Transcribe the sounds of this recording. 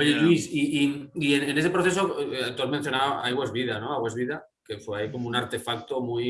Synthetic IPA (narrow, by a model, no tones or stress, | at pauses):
oʝeʎuisiʔiienene̞sepɾoθe̞soat̪oɾmẽn̟θjo̞naβajɣwezβiðano̞aɣwezβiða | kefweaikomounaɾt̪e̞fak̚t̪omuj